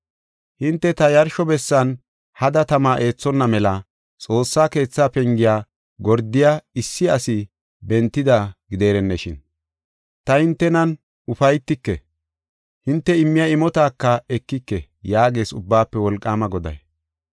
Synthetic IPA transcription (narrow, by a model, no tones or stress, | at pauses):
hɪnt̪ːɛt̪ɐjɐɾʃɔbɛsːɐn | hɐd̪ɐt̪ɐmaːʔe̞ːt͡sːɔnːɐmɛlɐ | t͡sʼo̞ːsːaːke̞ːt͡sːaːpɛŋɡɪjaː | ɡɔɾd̪ɪjaɪsːɪɐsɪ | bɛnt̪ːɪd̪ɐɡɪd̪e̞ːɾɛnːɛʃɪ̰n | t̪ɐhɪnt̪ːɛnɐn | ʊfɐjt̪ːɪkːɛ | hɪnt̪ːɛɪmːɪjɐɪmɔt̪aːkːɐɛkːɪkːɛ | jaːɡe̞ːsʊbːaːpːɛwɔlkʼːaːmɐɡɔd̪ɐ̰j